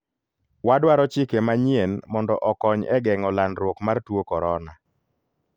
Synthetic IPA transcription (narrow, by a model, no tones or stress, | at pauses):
wadwaɾɔt͡ʃɪkemaɲjenmɔndɔʔɔkɔɲɛɡɛŋɔlanɾwokmartwokɔɾɔna